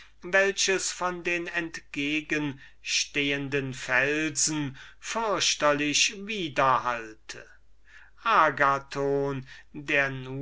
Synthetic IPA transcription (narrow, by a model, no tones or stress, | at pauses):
vɛlʃəsfɔndeːnɛntɡ̥eːɡən | ʃteːəndənfɛlzn̩fʏɐʃtɐlɪɕviːdɐhaltʰə̰ | ʔaːɡatʰoːndeːɐnu